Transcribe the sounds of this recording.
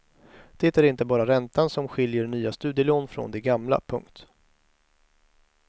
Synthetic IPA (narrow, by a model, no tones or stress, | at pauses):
d̪̥eːt̪æɾɪnt̪əbɑːɾaɾɛnt̪ansɔmɧɪljəɾɳyːast̪ʉ̟ːd̪jəloːnfɾɔ̰nd̪ɛɡamla̰pʰɵŋkt̪